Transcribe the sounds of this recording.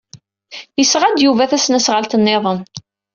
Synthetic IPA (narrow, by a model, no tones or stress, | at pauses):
jəsʁad̪juvæθæsnæsʁəlt̪ənːeðˤən